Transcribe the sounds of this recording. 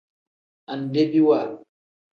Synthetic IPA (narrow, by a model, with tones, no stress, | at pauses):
a˨n˨de˦bi˦wa˨l